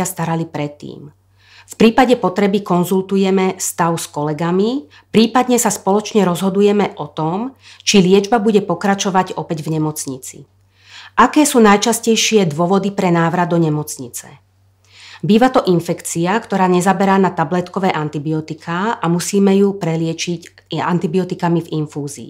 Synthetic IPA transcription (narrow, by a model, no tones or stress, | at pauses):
ast̪aɾalipɾɛt̪ːḭːm | fpɾiːpaɟɛpɔt̪ɾɛbikɔnzult̪ujɛmɛst̪aʊskɔlɛɡami | pɾiːpad̪ɲɛsaspɔlɔt͡ʃɲɛɾɔzɦɔd̪ujɛmɛʔɔt̪ɔm | t͡ʃilɪɛd͡ʒbabuɟɛpɔkɾat͡ʃɔʋaɟɔpɛɟvɲɛmɔt͡sɲit͡sḭ | ʔakɛːsuːnajt͡ʃascɛjʃɪɛd̪ʋʊɔʋɔd̪ipɾɛnaːʋɾad̪ɔɲɛmɔt͡sɲit͡sɛ | biːʋat̪ɔʔinfɛkt͡siakt̪ɔɾaːɲɛzabɛɾaːnat̪ablɛt̪kɔʋɛːʔant̪ibiɔt̪ikʰaːamusiːmɛjupɾɛlɪɛt͡ʃic | a̰nt̪ibiɔt̪ikamivinfuːzḭː